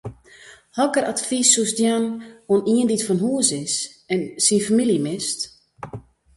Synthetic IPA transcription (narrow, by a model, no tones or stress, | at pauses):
hɔkərʔatfisːusdjanoəniənditfɔnɦuəsɪsɛnsinfamiljəmɪst